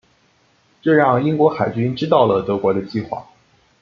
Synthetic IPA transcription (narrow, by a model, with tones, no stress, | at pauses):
ʈ͡ʂɤ˥˧ɻɑ˥˩ŋi˥ŋkwɔ˧˥xa˨˩ɪt͡ɕy˥nʈ͡ʂɻ̩˥t̪ɑ˥˩ʊlə˩t̪ɤ˧˥kwɔ˧˥d̪ə˧t͡ɕi˥˧xwa̰˥˩